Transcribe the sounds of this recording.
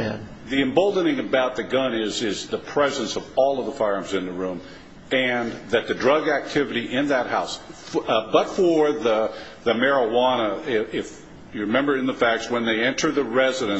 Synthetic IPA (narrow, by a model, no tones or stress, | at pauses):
ðiɨ̃mboʊlˠdⁿnɪ̃ŋɨbaʊt̪̚ðɨɡʌ̃nɪzɪzðɨpʰɹ̥ɛzɨ̃nsʌvɔlˠʌvðəfaɪɹə̃mzɨ̃nðɨɹʉ̃m | ɨ̃nðɨt̪̚ðɨdɹʌɡæk̚tʰɪvɨɾiʔɪ̃nðɨt̚haʊs | bʌtfə˞ðə | ðɨmɛɹəwɑnəɪɪf | jɨɹɨmɛ̃mbə˞ɨ̃nðəfæk̚tswə̃nðeɪɛ̃ntʰə˞ðɨɹɛzɨɾɨ̃n